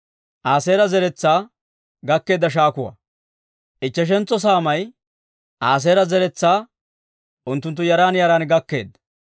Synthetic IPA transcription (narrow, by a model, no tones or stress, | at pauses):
ʔaːseːɾɐzɛɾɛt͡sːaː | ɡɐkːe̞ːd̪ːɐʃ̬aːkʊwɐ̰ | ʔɪt͡ʃːɛʃ̬ɛnt͡sːɔs̬aːmɐj | ʔaːs̬eːɾɐzɛɾɛt͡sːaː | ʔʊnt̪ːʊnt̪̬ːʊjɐɾaːnjɐɾaːnɡɐkːe̞̰ːd̪